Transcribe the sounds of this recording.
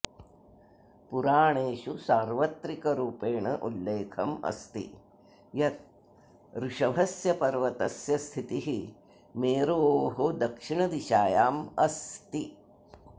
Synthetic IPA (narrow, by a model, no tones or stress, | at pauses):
puɾaːɳeːʃusaːɾʋɐt̪ɾikɐɾuːpeːɳɐʔṵlːeːkʰɐmɐ̰st̪ḭ | jɐt̪̚ | ɾuʂɐbʱɐsjɐpɐɾʋɐt̪ɐsjɐst̪ʰit̪iɦi | meːɾoːɦod̪ɐkʂiɳɐd̪iʃaːjaːmɐst̪i